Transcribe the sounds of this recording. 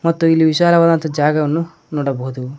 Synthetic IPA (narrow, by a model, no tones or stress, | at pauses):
mɐt̪ːuilːiʋiʃaːlɐʋɐd̪ɐnt̪ɐd͡ʒaːɡɐʋɐnːu | noːɽɐboɦud̪u